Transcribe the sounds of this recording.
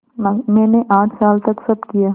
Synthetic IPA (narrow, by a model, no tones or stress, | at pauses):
mɛ̃ːneʔaːʈʰsaːlt̪ɐksɐbkijaː